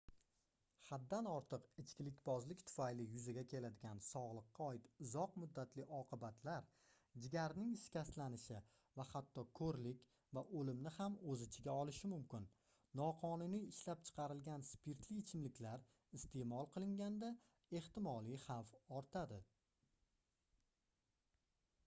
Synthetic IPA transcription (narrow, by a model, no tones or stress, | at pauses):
had̪ːanɒɾt̪ʰɨqɪt͡ʃkʲɪlɪkʲbɒzlɪkʲt̪ʰʊ̥fajlɪjʊzaɡʲakʲʰe̞lad̪ɪɡʲansɒʁlˠɨqːɑɒɪt̪ʊzɒqmʊd̪ːat̪lɪʔɒqʰɨbat̪ʰlaɾ | d͡ʒɪɡʲaɾnɪŋɪʃkʲast̪lanɪʃɪ | vahat̪ːɒkʰɵɾlɪkʲ | vaʔɵlɪmnɪhamɵzɪt͡ʃʰɪɡʲaɒlˠɪʃɪmʊmkʲɪnː | ɒqʰɒnʊnijɪʃlap̚t͡ʃʰɨ̥qʰɑɾɪlɡʲanspʰɪɾt̪ʰlɪːt͡ʃʰɪmlɪkʲlaɾ | ɪst̪ʰe̞mɒlˠqʰɨlˠɪŋɡʲand̪a | e̞ht̪ɪmɒlˠijhɑfɒɾt̪ʰad̪ɪ